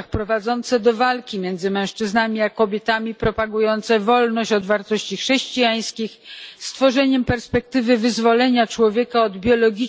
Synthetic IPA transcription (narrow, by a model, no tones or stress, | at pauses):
xpɾɔvad̪zɔnt̪sɛd̪ɔvalkʲimʲjɛnd̪zɘmɛ̃w̃ʂt͡ʂɘznamʲiakɔbʲjɛt̪amʲipɾɔpaɡujɔnt̪sɛvɔlnɔɕt͡ɕɔd̪vaɾt̪ɔɕt͡ɕixʂɛɕt͡ɕijaj̃skʲixst̪fɔʐɛɲɛmpɛɾspɛk̚t̪ɘvɘvɘzvɔlɛɲat͡ʂwɔvʲjɛkaɔd̪bʲjɔlɔɡʲi